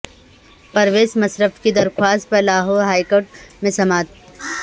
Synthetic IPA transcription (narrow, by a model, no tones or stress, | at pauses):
pɐɾʋeːsmɐsɾəfkid̪ɐɾkʰwaːst̪̚pɐlaːɦoːɦaːikoːʈ̚mẽsɐmaːt̪